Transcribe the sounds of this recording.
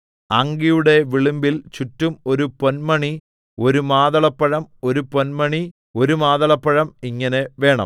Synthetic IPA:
ɐŋɡijuɽe̞ʋiɭumbilt͡ɕutːumo̞ɾupo̞nmɐɳi | o̞ɾumaːðɐɭɐpːɐɻɐmo̞ɾupo̞nmɐɳi | o̞ɾumaːðɐɭɐpːɐɻɐmiŋːɐneʋe̞ːɳɐ̰m

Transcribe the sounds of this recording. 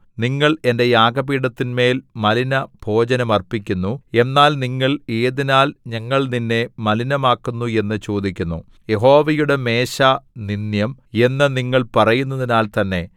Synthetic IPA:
niŋːɐɭe̞nde̞jaːɡɐpiːɽɐt̪ːinme̞ːlmɐlinɐb̥ʱo̞ːd͡ʑɐnɐmɐrpikʲːunːue̞nːaːlniŋːɐɭeːðinaːlɲɐŋːɐɭninːe̞mɐlinɐmaːkːunːue̞nːɨt͡ɕo̞ːd̪ikʲːunːṵ | je̞ɦo̞ːʋɐjuɽe̞me̞ːɕaninjɐme̞nːɐniŋːɐɭpɐrɐjunːɐðinaːlt̪ɐnːe̞

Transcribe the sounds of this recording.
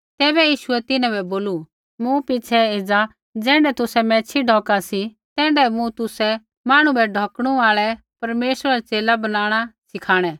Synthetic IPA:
t̪ɛːbɛjiːʃʊɛt̪ɪnãbɛboːlu | mũpɪt͡ʃʰɛɪd͡za | d͡zɛ̃ːɳɖɛt̪ʊsɛmɛ̃ːt͡ʃʰiɖʱɔːkasi | t̪ɛ̃ːɳɖɛmũt̪ʊsɛ | maːɽ̃ũbɛɖʱɔːkɽ̃uaːɭɛ | pɐɾmeːsɾaɾat͡seːlabɐnaːɽ̃asɪkʰaːɽ̃ɛ

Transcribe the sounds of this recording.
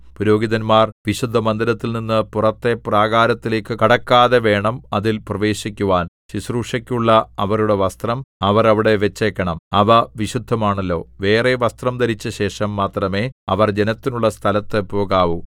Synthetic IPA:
puɾo̞ːɡiðɐnmaːrʋiɕud̪ʱːɐmɐnd̪ɐɾɐt̪ːilninːɨpurɐt̪ːe̞praːɣaːɾɐt̪ːile̞ːkːɨkɐɽɐkːaːðe̞ʋe̞ːɳɐmɐðilprɐʋe̞ːɕikʲːuʋaːnɕisruːʂɐkʲːuɭːɐɐʋɐɾuɽe̞ʋɐst̪rɐmɐʋɐrɐʋiɽe̞ʋet͡ɕːeːkʲːɐɳɐmɐʋɐʋiɕud̪ʱːɐmaːɳɐlːo̞̰ːʋe̞ːreʋɐst̪rɐmd̪ɐɾit͡ɕːɐɕe̞ːʂɐmːaːt̪rɐme̞ːɐʋɐrd͡ʑe̞nɐt̪ːinuɭːɐst̪ʰɐlɐt̪ːepo̞ːɣaːʋu

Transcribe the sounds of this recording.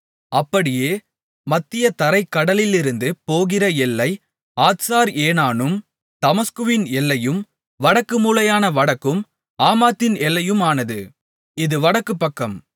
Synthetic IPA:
ɐpːɐɽɪjeː | mɐt̪ːɪjɐt̪ɐɾɐɪkːɐɽɐlɪlɪɾɯnd̪ɯpoːɣɪrɐɛlːɐɪ | aːt̪saːɾeːnaːnɯm | t̪ɐmɐskɯʋɪnɛlːɐjɯm | ʋɐɽɐkːɯmuːlɐjaːnɐʋɐɽɐkːɯm | aːmaːt̪ːɪnɛlːɐjɯmaːnɐðɯ | ɪðɯʋɐɽɐkːɯpːɐkːɐm

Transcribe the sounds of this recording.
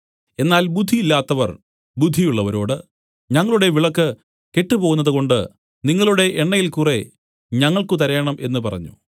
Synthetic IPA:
e̞nːaːlbud̪ʱːijilːaːt̪ːɐʋɐ̰r | bud̪ʱːijuɭːɐʋɐɾo̞ːɽɨ | ɲɐŋːɐɭuɽe̞ʋiɭɐkːɨ | ke̞ʈːɨpo̞ːɣunːɐðɨko̞ɳɖɨ̰ | niŋːɐɭuɽe̞ʔeɳːɐjilkure̞ | ɲɐŋːɐɭkut̪ɐɾɐjɐɳɐmʔe̞nːɨpɐrɐ̰ɲːṵ

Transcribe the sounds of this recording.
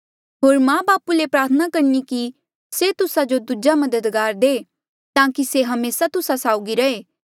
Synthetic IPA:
ɦoːɾmãːbaːpulepɾaːɾt̪ʰənakɐɾniki | set̪ʊsad͡ʒod̪ud͡ʒamɐd̪əd̪ɡaːɾd̪eː | t̪ãːkiseɦɐmeːsat̪ʊsasaːʊɡiɾɐeː

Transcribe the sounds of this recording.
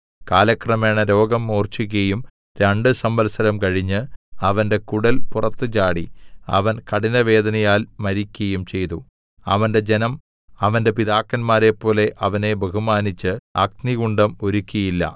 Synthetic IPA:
kaːlɐkrɐme̞ːɳɐɾo̞ːɡɐmːoːrt͡ɕuɣɐjum | ɾeɳɖɨsɐmbɐlsɐɾɐmkɐɻiɲːɨɐʋɐnde̞kuɽɐlpurɐt̪ːɨt͡ɕaːɽiɐ̰ʋɐnkɐɽinɐʋe̞ːd̪ɐnɐjaːlmɐɾikʲːɐjumt͡ɕe̞jt̪u | ɐ̰ʋɐnde̞d͡ʑenɐm | ɐʋɐnde̞piðaːkːɐnmaːɾe̞pːo̞ːle̞ʔɐʋɐne̞beɦumaːnit͡ɕːɨɐk̚niɣuɳɖɐmo̞ɾukʲːɐjilːɐ̰

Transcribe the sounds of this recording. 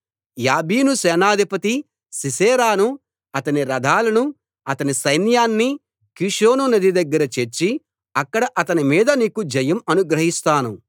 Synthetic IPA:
jaːbiːnusɛːnaːd̪ʱipɐt̪i | sisɛːɾaːnu | ɐt̪ɐniɾɐd̪ʱaːlɐnu | ɐt̪ɐnisɐjnjaːnːi | kiʂoːnunɐd̪id̪ɐɡːɐɾɐt͡ʃeɾt͡ʃːi | ɐkːɐɽɐʔɐt̪ɐnimiːd̪ɐniːkud͡ʒɐjɐmɐnuɡɾɐɦist̪aːnu

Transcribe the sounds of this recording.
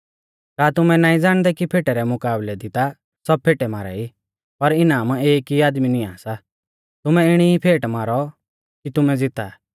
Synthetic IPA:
taːt̪ʊmɛnãːĩd͡zaːɽ̃d̪ɛkipʰeːʈɛɾɛmʊkaːblɛd̪ɪt̪a | sɔb̚pʰeːʈɛmaːɾa̰i | pɐɾɪnaːmeːkiaːd̪minia̰ːsa | t̪ʊmɛɪɽ̃iipʰeːʈmaːɾɔ | kit̪ʊmɛd͡zɪt̪a̰

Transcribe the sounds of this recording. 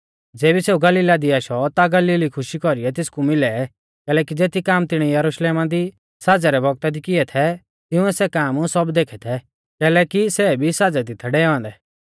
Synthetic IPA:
d͡zeːbiseːuɡɐliːlad̪iaʃɔt̪aɡɐliːlikʰʊʃikɔɾiɛt̪̬ɪskumɪlɛ | kɛːlɛːk̬id͡zeːt̪ʰikaːmt̪ɪɽ̃ɛjɐɾuʃleːmãd̪i | sad͡zɛɾɛbʱɔɡ̚t̪ad̪ikɪɛt̪ʰɛ | t̪ɪʊ̃ɛsɛkaːmsɔbd̪eːkʰɛt̪ʰɛ | kɛːlɛːkisɛbʱisad͡zɛt̪ɪt̪ʰːɛɖɛːɔ̃ːnd̪ɛ

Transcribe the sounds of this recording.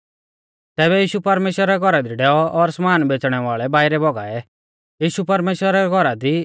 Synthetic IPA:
t̪ɛːβɛjiːʃupɐɾmeːʃwəɾaɡʱɔɾad̪iɖɛːɔʔɔɾsmaːnbet͡sɽ̃ɛʋaːɭɛbaːɪɾɛbɔɡa̰ːɛ | jiːʃupɐɾmeːʃwəɾaɾɡʱɔɾad̪i

